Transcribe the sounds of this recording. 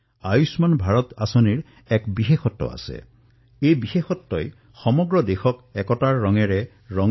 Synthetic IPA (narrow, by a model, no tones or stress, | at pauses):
ajusmanbʱaɹɔtasɔniɹ | ɛkbixexɔtːɔ̰a̰sɛ̰ | ejbixexɔtːɔj | xɔmɔɡɹɔdexɔkɛkɔtaɹːɔŋɛɹɛ | ɹɔŋ